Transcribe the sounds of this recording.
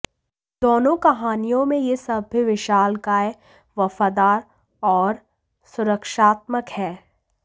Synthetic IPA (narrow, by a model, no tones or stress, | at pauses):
d̪oːnõkɐɦaːnijõmẽjesɐbʱːiʋɪʃaːlkaːe | ʋɐfaːd̪aːɾ | ɔːɾ | sʊɾəkʃaːt̪̚məkhɛː